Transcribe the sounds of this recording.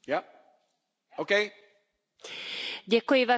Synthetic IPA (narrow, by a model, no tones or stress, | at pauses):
ja | okeɪ | ɟɛkujɪva